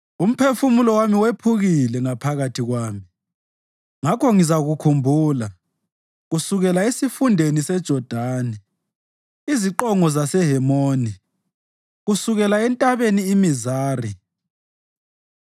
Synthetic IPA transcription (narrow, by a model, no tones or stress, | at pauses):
um̩pʰefumulɔwamiwepʰuɣilɛŋapʰaɣatʰiɣwaːmi | ŋakʰɔŋizaɣukʰumbʱuːla | ɣusuɣɛlaesifundʱenisɛd̥ʒ̥ʱɔd̥ʱaːnɛ | iziǃɔŋɔzasɛɦɛmoːni | ɣusuɣɛlaɛntʼaβeniːmizaːri